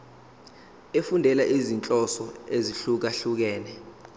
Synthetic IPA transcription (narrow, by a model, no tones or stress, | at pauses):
efundʱɛlaʔizint͡ɬʼɔsɔeziɬuk̬aɬuk̬ɛːnɛ